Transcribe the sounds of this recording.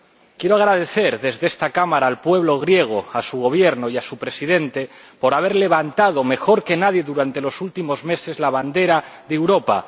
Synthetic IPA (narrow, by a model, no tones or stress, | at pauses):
kje̞ɾoaɣ̞ɾaðe̞θe̞ɾðezðest̪akamaɾaːlpwe̞β̞lo̞ɣ̞ɾje̞ɣ̞oasuɣo̞β̞je̞ɾnoiasupɾe̞siðe̞nt̪e | po̞ɾaβ̞e̞ɾle̞β̞ant̪að̞o̞me̞xo̞ɾke̞naðje̞ðuɾant̪e̞lo̞sult̪imo̞zme̞se̞zlaβ̞and̪e̞ɾaðewɾo̞pa̰